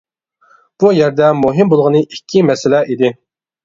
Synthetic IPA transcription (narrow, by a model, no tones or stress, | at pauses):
b̥ujɛɾd̪ɛmuɦɪmbolˠʁənɨʔikʲːimɛsɪlɛʔid̪ɪ